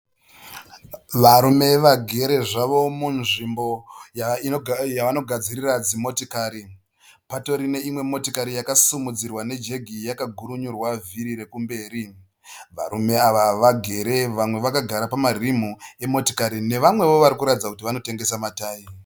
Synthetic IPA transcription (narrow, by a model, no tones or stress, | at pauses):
ʋaɾume̞ʋaɡʱe̞ɾe̞ʐaʋo̞munʐimbo̞ijaʋano̞ɡʱad͡zirirad͡zimo̞tokaːɾi | pato̞ɾine̞imwe̞mo̞tokaɾijakasumud͡zirwane̞d͡ʒe̞ɡʱijakaɡʱuɾuɲurwaviɾiɾe̞kumbe̞ːɾi | ʋa̰ɾume̞aʋaʋaɡʱe̞ɾe̞ʋamwe̞ʋakaɡʱaɾapamarim̤ue̞mo̞to̥kaɾine̞ʋamwe̞ʋo̞ʋaɾikuɾatid͡zakutiʋano̞te̞ŋɡe̞samataːji